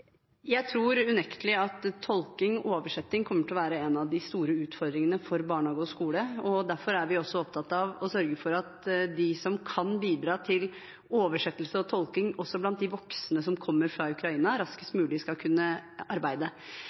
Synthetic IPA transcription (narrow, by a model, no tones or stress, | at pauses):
jæɪt̪ʰɾuːɾʉnɛkt̪lɪɑt̪ʰːɔlkɪŋɔʔoːʋəʂɛt̪ːɪŋkʰɔmːəʈ̪ʰɪlɔʋæːɾəɛnɑʋd̪ɪst̪uːɾəʉːt̪fɔɾd̪ɾɪŋənəfɔɾbɑːɳhɑːɡʊskuːləɔd̪æɾfɔɾæɾʋɪɔsɔɔp̚t̪ʰɑt̪ɑʋɔsœɾɡəfɔɾɑt̪d̪ɪsɔmkʰɑnbiːd̪ɾɑːt̪ʰɪl | oːʋəʂɛt̪ːlsəɔt̪ʰɔlkɪŋɔsːɔblɑnt̪̚d̪ɪʋɔksənəsɔmkʰɔmːəɾfɾɑʉkɾɑiːnɑɾɑskə̥st̪mʉːlɪskɑlkʰʉnːəɑɾbæɪd̪ə